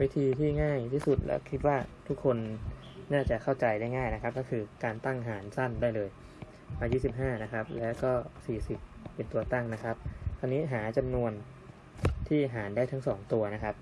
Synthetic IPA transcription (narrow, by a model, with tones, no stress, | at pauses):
wiː˦˥t̪ʰiː˧t̪ʰiː˥˩ŋaː˥˩jt̪ʰiː˥˩su˨˩t̪̚lɛ̰˦˥wkʰi˦˥t̪̚waː˥˩t̪ʰu˦˥kʰːo˧n | naː˥˩t͡ɕa˨˩kʰa˥˩wt͡ɕa˧jda˥˩jŋaː˥˩jna˦˥kʰa˦˥p̚kɔ˥˩kʰɯː˧kaː˧nt̪a˥˩ŋɦaː˩˦nsa˥˩ndaː˥˩jlɤː˧j | maː˧jiː˥˩si˨˩p̚ɦaː˥˩na˦˥kʰa˦˥p̚lɛː˦˥wkɔː˥˩siː˨˩si˨˩p̚ː | e˧nt̪u˧ɐt̪a˥˩ŋna˦˥kʰa˦˥p̚t̪ʰa˧nːiː˦˥ɦaː˩˦t͡ɕa˧mnu˧ən | t̪ʰiː˥˩ɦaː˩˦ndaː˥˩jt̪ʰa˦˥ŋsɔː˩˦ŋt̪u˧ɐna˦˥kʰa˦˥p̚